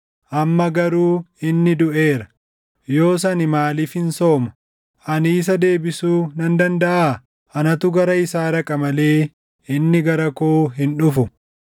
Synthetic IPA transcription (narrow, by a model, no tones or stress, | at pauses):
ʔɐmːɐɡɐɾuːɪnːɪd̪ʊʔe̞ːɾɐ̥ | jo̞ːs̬ɐnɪmaːliːfhɪnso̞ːmɐ̥ | ʔɐniːs̬ɐd̪e̞ːbɪsuːnɐnd̪ɐnd̪ɐʔaː | ʔɐnɐt̪ʊɡɐɾɐɪsaːɾɐkʼɐmɐle̞ː | ɪnːɪɡɐɾɐkoːɦɪnᶑʊfʊ